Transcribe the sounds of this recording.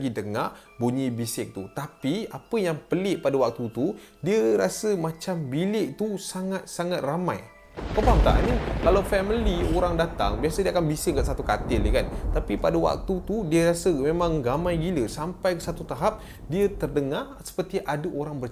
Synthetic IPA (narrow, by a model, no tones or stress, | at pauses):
ɡidəŋa | buɲibisɪk̚t̪ut̪apiapəjaŋpəlɪʔpadawak̚t̪ut̪u | diəɾasəmat͡ʃambilɪʔt̪usaŋat̪̚saŋat̪̚rama̰j | kəpamt̪a̰ʔa̰nikalawfɛmilioɾaŋdat̪a̰ŋbiasədiəakanbisɪŋɡkaʔsat̪ukat̪ɪlikant̪apipadawa̰k̚t̪ut̪udiəɾasəmemãŋɡamajɡiləsampajkəsat̪ut̪aɦap̚ | diət̪ərdəŋa | sə̥pərt̪iʔadəʔoɾaŋbə